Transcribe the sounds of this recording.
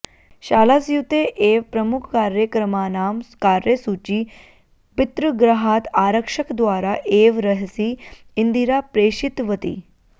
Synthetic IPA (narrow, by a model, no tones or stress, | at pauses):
ɕaːlasjut̪eʔeːʋpɾəmukʰkaːɾjəkɾəmaːnaːmkaːɾjəsut͡ɕiː | pit̪ɾuɡɾɐɦat̪aːɾəkʂəkd̪ʋaːɾaʔeːʋɾəɦsi | ind̪iɾapɾeːɕit̪ʋət̪ḭ